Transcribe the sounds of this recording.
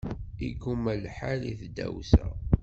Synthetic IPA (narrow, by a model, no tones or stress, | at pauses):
iɡumælħalḭθd̪æ̰wsæ̰